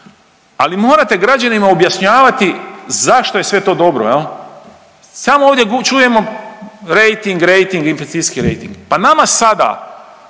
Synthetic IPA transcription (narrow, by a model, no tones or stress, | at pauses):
alimo̞ːɾat̪e̞ɡɾad͡ʒanimaobjaʃɲaːʋat̪izaʃt̪o̞je̞sʋe̞t̪o̞ːd̪o̞bɾo̰jel | samooːʋd̪je̞ɡt͡ʃuːje̞mo̞ɾe̞jt̪iŋɡɾe̞jt̪iŋɡinfest̪iskiɾḛjt̪iŋɡpanamasad̪a̰